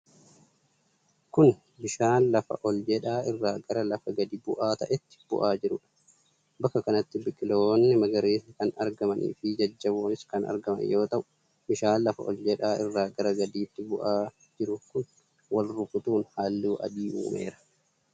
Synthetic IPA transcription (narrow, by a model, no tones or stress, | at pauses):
kʊn | bɪʃaːnlɐfɐ̰ʔɔld͡ʒɛᶑaːɪrːaːɡɐɾɐlɐfɐɡɐd̪iːbʊʔaːt̪ɐʔɛt̪ːɪ̥b̥ʊ̰ʔaːd͡ʒɪɾʊᶑɐ̥ | bɐkːɐkɐnɐt̪ːɪbɪkʼːɪloːnːɪmɐɡɐɾeːsɐkɐnɐɾɡɐmɐnʔḭːfɪd͡ʒɐd͡ʒːɐboːnɪskɐnɐ̰ɾɡɐmɐ̰njo̞ːt̪ɐʔʊ̥ | bɪʃaːnlːɐfɐ̰ʔɔ̰ld͡ʒɛᶑaːʔɪrːaːɡɐɾɐɡɐd̪iːt̪ːɪbʊʔaː | d͡ʒɪɾʊkʊn | wɐlɾʊfʊt̪uːnhaːlːuːʔɐ̰d̪iːʔṵːmḛːɾɐ̥